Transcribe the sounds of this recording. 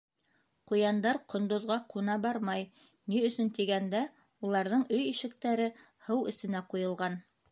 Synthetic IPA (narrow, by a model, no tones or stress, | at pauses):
qujɑnd̪ɑɾqŏnd̪ŏðʁɑqʰunɑbɑɾmɑj | niɵ̆sɵnt̪iɡænd̪æ | ulˠɑɾðɤɴɵjiʃɘ̆k̚t̪æɾɘ | hɤwɘ̆sɘ̆næqujɤ̆lˠʁɑn